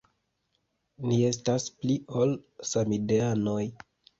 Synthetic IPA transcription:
nie̞staspliolsamideano̞j

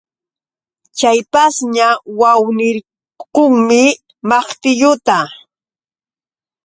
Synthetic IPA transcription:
t͡ʃajpasɲawawnɪɾ | qoŋmɪ | mɑχt̪ɪʎʊt̪a

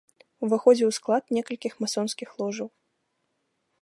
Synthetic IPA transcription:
uvaxɔd͡zʲɛwsklˠat̪nʲɛkɐlʲkʲixmasɔnskʲixlˠɔʐɐw

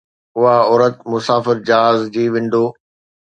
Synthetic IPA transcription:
ʊɦaɔːɾət̪mʊsaːfɪɾd͡ʑaɦaːzd͡ʑiːʋɪ̃ɳɖoː

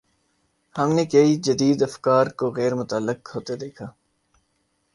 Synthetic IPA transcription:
hɐmnekɐid͡ʒɐd̪iːd̪ɐfkaːɾkoɣɛːɾmʊt̪aːlːɪqhoːt̪ed̪eːkʰaː

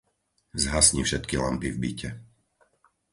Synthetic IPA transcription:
zɦasɲifʃɛt̪kila̰mpivbicɛ

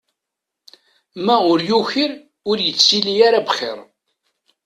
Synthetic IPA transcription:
mæʊɾjuçiɾ | ʊɾjət͡sːilijaɾabχɪ̰ɾˤ

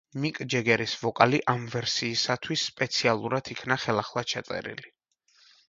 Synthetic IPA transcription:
mikʼd͡ʒɛɡɛɾisvɔkʼaliʔamvɛɾsiːsat̪ʰwisːpʼɛt̪sʰialˠuɾad̪ʰikʰnaχɛlˠaχlˠḁt͡ʃʰat̪sʼɛ̰ɾḭli

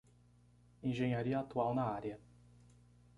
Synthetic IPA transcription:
ẽʒẽɲaɾiɐat̪uawnɐaɾjɐ

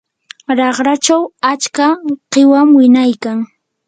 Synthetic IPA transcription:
ɾɑχɾat͡ʃawat͡ʃkaqɪwamwɪnajkaŋ

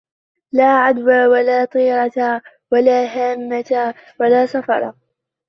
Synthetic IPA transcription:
laːʕad̪waːwalaːt̪ˤiːɾˤɑt̪a | walaːɦaːmːat̪a | walaːsɑfɑ̰ɾˤɑ̰

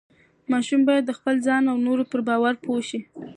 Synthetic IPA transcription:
mɑʃumbɑjad̪ːəxpəlzɑnawnoɾopəɾbɑwaɾpʰoʃi

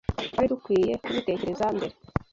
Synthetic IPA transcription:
aɾidukwiːje̞kuβite̞ce̞ɾe̞zaːmbe̞ɾe

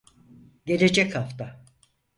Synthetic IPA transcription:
ɟe̞lʲe̞d͡ʒɛchaft̪a

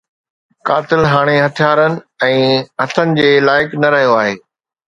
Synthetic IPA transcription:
kaːt̪ɪlɦaːɽ̃eɦɐt̪ʰijaːɾənɪ̆ | ɛ̃ːɦɐt̪ʰənɪ̆d͡ʑeːlaːɪknɐɾɐɦijoaːɦeː

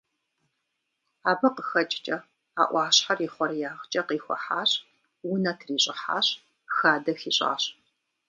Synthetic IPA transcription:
aːbɐqəxɐt͡ʃʼt͡ʃʼɐ | a̰ːʔʷɑːɕħariːχʷɔrjaːʁt͡ʃʼɐqiːxʷɔ̰ħaːɕ | wʊnɐtʰriːɕʼɪħa̰ːɕ | xaːdɐxiːɕʼa̰ːɕ

